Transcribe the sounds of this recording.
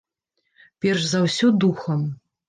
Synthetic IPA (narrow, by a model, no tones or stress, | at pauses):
pʲɛrʂzawsʲɔd̪uxɐm